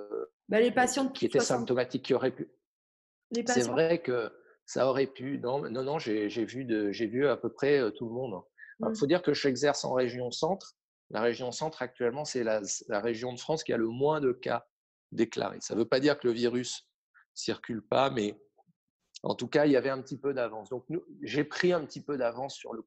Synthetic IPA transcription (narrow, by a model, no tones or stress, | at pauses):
balepasjɑ̃iet̪ɛsɛ̃p̚t̪ɔmat̪ikʰʲːiɔʁɛpy | lesɛvʁɛkə | sa̰ɔʁɛpynɔ̃nɔ̃nɔ̃ʒeʒevyd̪əʒevyapøpχɛøt̪uləmɔ̃d̪ɛ̃ɔ̰fod̪iʁkəʒɛɡzɛʁsɑ̰̃ʁeʒjɔ̃sɑ̃t̪χ | lʔa̰ʁeʒjɔ̃sɑ̃t̪χak̚t̪ɥɛlmɑ̃sɛlaslaʁeʒjɔ̃d̪əfχɑ̃skʲia̰ləmwɛ̃d̪əka̰ | d̪ekla̰ʁḛsa̰vøpad̪iʁkələviʁysː | iʁkʲylpamɛ | ɑ̰̃t̪ukailavɛɛ̃pət̪ipød̪avɑ̃sd̪ɔ̃k̚nuʒepχiɛ̃pət̪ipød̪avɑ̃sːyʁlə